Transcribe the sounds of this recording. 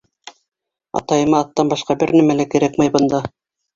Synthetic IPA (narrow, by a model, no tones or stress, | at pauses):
ɑ̰t̪ɑjɤ̆mɑːt̪ːɑnbɑʃqɑbɘɾnæmælækɘ̆ɾækmæjbɤ̆nd̪ɑ